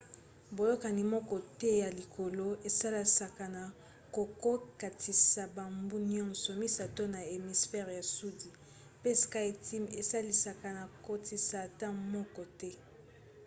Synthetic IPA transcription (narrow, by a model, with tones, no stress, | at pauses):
bo˨jo˦ka˨ni˨mɔ˦kɔ˦˨tɛ˦ja˨li˨kʰo˨lo˦e˨sa˦la˦sa˨ka˨na˨ | ko˨ko˦ka˨tʰi˨sa˨ba˨mbu˦ni˦ɔ̃˦nsɔ˨mi˦sa˨to˦na˨e˨mi˨sfɛ˦ʁja˨su˦di˨ | pe˦ska˦i˨ti˦me˨sa˦li˦sa˨ka˨na˨ko˦ti˨saː˨ta˦mɔ˦kɔ˦tɛ˦